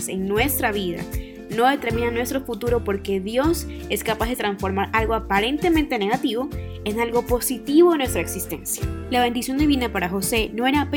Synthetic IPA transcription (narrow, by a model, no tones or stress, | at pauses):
se̞̰ŋnwe̞st̪ɾaβiða̰ | no̞ðe̞t̪e̞ɾmĩnanwe̞st̪ɾo̞fut̪uɾo̞po̞ɾke̞ðjo̞s | e̞skapazðe̞t̪ɾansfo̞ɾmaɾalɣoapaɾe̞nt̪e̞ment̪e̞ne̞ɣat̪iβo̞ | enalɣo̞po̞sit̪iβoenwest̪ɾaeksist̪e̞nsjalaβ̞e̞nd̪isjond̪iβinapaɾaxo̞se̞no̞e̞ɾaːp